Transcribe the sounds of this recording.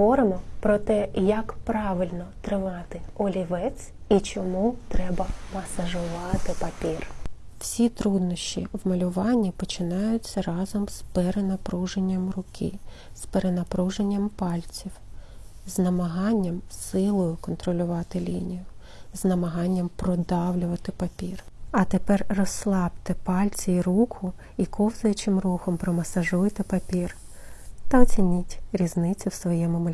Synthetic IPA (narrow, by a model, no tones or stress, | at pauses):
ʋɔɾɪmɔpɾɔt̪ɛjɐkpɾɑʋɪlʲnɔt̪ɾɪmɑt̪ɪɔlʲiʋɛt͡sʲit͡ʃɔmut̪ɾɛbɐmɐsɐʒʊʋɑt̪ɪpɐpʲirw̥sʲit̪ɾud̪nɔʃt͡ʃḭwmɐlʲʊʋɑnʲːipɔt͡ʃɪnɑjʊt͡sʲːɐrɑzɔmspeɾenɐpɾuʒenʲːɐmrʊkʰɪ̰ | speɾenɐpɾuʒe̞nʲːɐmpɑlʲt͡sʲiw | znɐmɐɦɑnʲːɐmsɪlˠɔjʊkɔnt̪ɾɔlʲʊʋɑt̪ɪlʲinʲijʊ | znɐmɐɦɑnʲːɐmpɾɔd̪ɑwlʲʊʋɐt̪ɪpɐpʲir | ɐt̪epɛrrɔslˠɑbt̪ɪpɑlʲt͡sʲiɾukʰʊ | ikɔwzɐjɐt͡ʃɪmruxɔmpɾɔmɐsɐʒujt̪ɪpɐpʲir | t̪ɐɔt͡sʲinʲitʲɾʲiznɪt͡sʲʊwsʋɔjɛmʊmʊlʲ